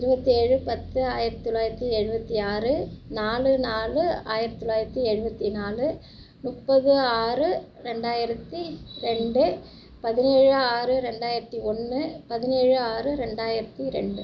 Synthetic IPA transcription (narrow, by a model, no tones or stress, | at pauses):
ɪɾɯbɐt̪ːiɛɻɯpɐt̪ːɯaːjɪɾɐt̪ːɔɭːaːjɪɾɐt̪ːiɛɻɯbɐt̪ːiaːrɯnaːlɯnaːlɯaːjɪɾɐt̪ːɔlɭːaːjɪɾɐt̪ːiɛɻɯbɐt̪ːinaːlɯ | nʊʈpːɐðɯaːrɯɾɛɳɖaːjɪɾɐt̪ːiɾɛɳɖɯ | pɐðɪneːɻɯaːɾɯɾɛɳɖaːjɪɾɐt̪ːiɔnːɯpɐðɪneːɻɯaːɾɯɾɛɳɖaːjɪɾɐt̪ːiɾɛ̰ɳɖɯ